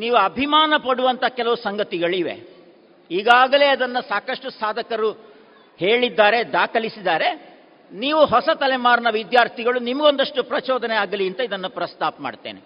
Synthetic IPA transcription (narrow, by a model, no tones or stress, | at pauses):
niːʋuɐbʱimaːnɐpɐɽuʋɐnt̪ɐkɛlɐʋusɐŋɡɐt̪iɡɐɭiʋḛ | iːɡaːɡɐle̞ːɐd̪ɐnːɐsaːkɐʂʈusaːd̪ʱɐkɐɾu | he̞ːɭid̪ːaːɾe̞d̪aːkɐlisid̪aːɾe̞ | niːʋuɦɔsɐt̪ɐlɛmaːɾnɐʋid̪jaːɾt̪ʰiɡɐɭunimɐɡo̞nd̪ɐʂʈupɾɐt͡ʃɔːd̪ʱɐnɛaːɡɐliɐnt̪ɐid̪ɐnːupɾɐst̪ʰaːpɐma̰ːɖt̪ḛːne